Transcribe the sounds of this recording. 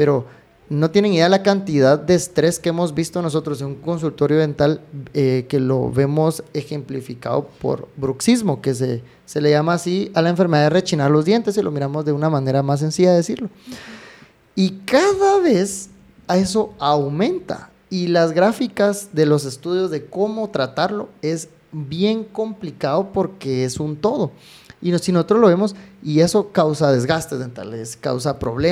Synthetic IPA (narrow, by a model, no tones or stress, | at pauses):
pe̞ɾo̞ | no̞t̪jene̞ŋiðealakant̪iðaðde̞ːst̪ɾe̞skeemo̞zβist̪o̞no̞s̬o̞t̪ɾoseuŋko̞ns̬ult̪o̞ɾjo̞ðe̞nt̪aleke̞lo̞̰βe̞mo̞se̞xe̞mplifika̰ðo̰po̞̰ɾbɾuksizmo̞ke̞s̬e | se̞le̞ʝamaːsialaeɱfeɾme̞ðaðere̞t͡ʃinaɾlo̞zðje̞nt̪e̞silo̞miɾamo̞zðe̞unamãne̞ɾamas̬e̞nsiʝaðeesiɾlo̞ | ikaðaβ̞e̞s | e̞s̬o̞awmẽ̞nt̪a̰ | ilazɣɾafikazðe̞lo̞s̬e̞st̪uðjo̞zðe̞ko̞mo̞t̪ɾat̪aɾlo̞e̞z | bje̞ŋko̞mplikaðo̞po̞ɾke̞e̞sunt̪o̞ð̞o̞ | inosinosot̪ɾo̞zlo̞βe̞mo̞sie̞so̞kawsaðe̞zɣast̪e̞zent̪a̰leska̰wsapɾo̞̰βle